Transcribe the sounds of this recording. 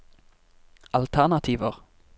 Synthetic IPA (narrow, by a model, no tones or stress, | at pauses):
ʔɑlt̪ʰæʁnɑt̪ʰiːʋəʁ